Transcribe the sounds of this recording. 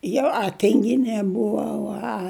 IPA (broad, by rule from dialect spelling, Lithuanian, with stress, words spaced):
ˈjɛʊ ɐ ˈtʲɪŋʲˈɡʲɪnʲeː ˈbʊʋɐʊ ɐ